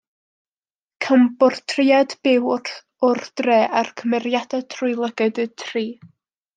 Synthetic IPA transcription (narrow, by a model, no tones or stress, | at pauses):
kʰəmbɔrtʰrɪadb̥ɪwr | ʊrd̥reːʔarkʰəmɛrjadatʰrʊjlˠəɡɨdətʰriː